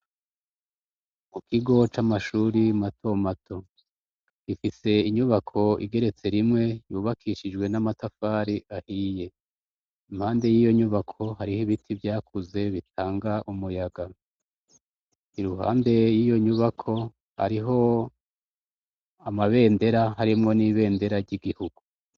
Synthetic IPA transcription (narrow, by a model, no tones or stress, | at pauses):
mukʰiɡo̞t͡ʃamaʃuɾimatʰo̞matʰo̞ | ɡ̥ifise̞iɲuβakʰo̞ḭɡe̞ɾe̞t͡se̞ɾimŋe̞juːβakʰiʃid͡ʒɡwe̞namatafaːɾiʔahije̞ | imhaːnde̞jiːjo̞ɲuβakʰo̞ɦaɾihiβitʰivjaːkʰuze̞βit̚ʰaːŋɡaʔumujaɡa | iɾuɦa̰ːnde̞jijo̞ɲuβakʰo̞ | ha̰ɾiɦo̞ | amaβe̞ːnde̞ɾaɦaɾimŋo̞niːβe̞ːnde̞ɾaɾɟiɡihuɡ̥u